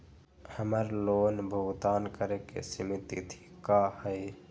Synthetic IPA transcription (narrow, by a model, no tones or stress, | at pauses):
həməɾlonbʱəɡt̪aːnkəɾekḛsimit̪ḭt̪ʰi̥kahəj